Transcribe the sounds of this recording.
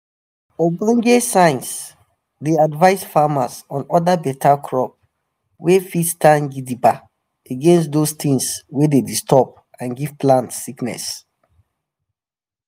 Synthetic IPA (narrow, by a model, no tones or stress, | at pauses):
obãŋɡesãɪ̃ns | deadvaɪsfamasɔ̃nɔdabɛtʰakʰɹɔp̚ | wefidstãnɡidiba | eɡɛ̃nstdost̪ĩŋswededistɔp̚ | ãnɡiv̥plãntsiknɛ̰s